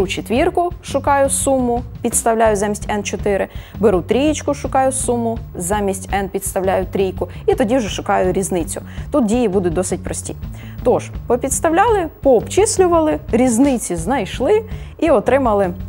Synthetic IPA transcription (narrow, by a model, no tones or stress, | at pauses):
ut͡ʃet̪ʲʋʲirkʊʃʊkɑjʊsumʊpʲid̪st̪ɐwlʲajʊzɑmʲisʲtʲɛnt͡ʃɔt̪ɪɾɪbeɾut̪ɾʲijt͡ʃkʊʃʊkɑjʊsumʊzɑmʲisʲtʲɛnpʲid̪st̪ɐwlʲajʊt̪ɾʲijkʊit̪ɔdʲiwʒɛʃʊkɑjʊɾʲiznɪt͡sʲʊt̪ut̪̚dʲijibud̪ʊt̚ʲd̪ɔsɪt̚ʲpɾɔsʲtʲḭ | t̪ɔʒpɔpʲit̪st̪ɐwlʲɑlˠɪpɔːpt͡ʃisʲlʲʊʋɐlˠɪɾʲiznɪt͡sʲiznɐjʃlˠɪiɔt̪ɾɪmɐlˠɪ